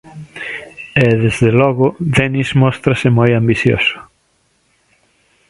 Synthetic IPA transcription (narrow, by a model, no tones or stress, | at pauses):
ɛðezðelɔɣʊðɛnizmɔst̪ɾasɪmojambiθjo̰sʊ̥